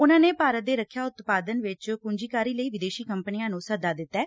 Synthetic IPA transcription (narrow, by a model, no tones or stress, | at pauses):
ʊnãːneːpaːɾət̪̚d̪eːɾəkʰːjaːʊt̪paːd̪ənʋɪt͡ʃkʊɲd͡ʒiːkaːɾiːləiːʋɪd̪eːʃiːkəmpənijãːnũːsəd̪aːd̪ɪt̪ːɛː